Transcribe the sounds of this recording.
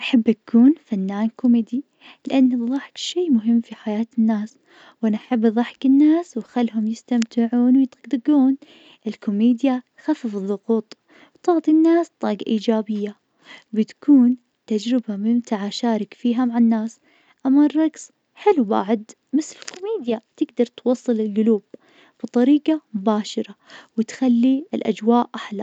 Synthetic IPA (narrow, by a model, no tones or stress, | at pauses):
ʔaħabːʔakuːnfanːaːnkʊmɪd̪i | lɪʔanːðˤɑħkʃiːmʊɦɪmːfiħajaːt̪ɪnːaːs | wʔanaʔaħabːðˤɑħkɪnːaːswɪxalːɦʊmjɪst̪amt̪ɪʕuːnwjɪt̪ɡd̪ɪɡuːn | ʔɪlkʊmiːd̪ja | xafːɪfɨðˤːʊɣuːt̪ˤ | wt̪ɪʕt̪ˤinːaːst̪ˤːɑːɡa̰ʔiːd͡ʒaːbɪjːa | bɪt̪kʰuːn | t̪ad͡ʒɾɪbamɪmt̪aʕaʃaːɾˤɪkfiːɦamaʕanːaːs | ʔamːarˤɑks | ħɪlːwba̰ːʕʊd̪ | mɪθɪlkʊmiːd̪jat̪ɪɡd̪ɑɾˤt̪wɑsˤːɨlɪlɡʊluːb̚ | b̥ɨt̪ˤɑɾiːɡɑmʊbaːʃɑɾˤɑwɪt̪xalːiɪlʔa̰d͡ʒwaːʔʔaħla